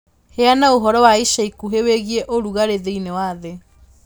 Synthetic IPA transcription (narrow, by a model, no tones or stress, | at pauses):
heanaoɦɔɾɔwaiʃaikuɦeweɣieʔoɾuɣaɾeðeinewaðe